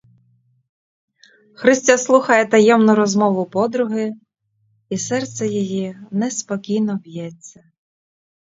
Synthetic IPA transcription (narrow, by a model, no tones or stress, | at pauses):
xɾɪsʲtʲaslˠuxɐjɛt̪ɐjɛmnʊɾɔzmɔʋʊpɔd̪ɾʊɦɪ | isɛrt̪sɛjɔjinɛspɔkʲijnɔwjɛt͡sʲːɐ